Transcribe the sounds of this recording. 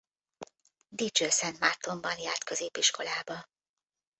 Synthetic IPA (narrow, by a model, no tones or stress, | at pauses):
d̪it͡ʃøːsɛnt̪mart̪o̞mbɒnjaːrt̪kø̞zeːpiʃko̞laːbɒ